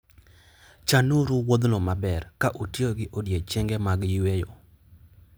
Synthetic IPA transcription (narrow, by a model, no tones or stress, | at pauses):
t͡ʃanuɾuwod̪nɔmabɛrkaʔotioɡɪʔodjet͡ʃeŋɡɛmaɡjiwejo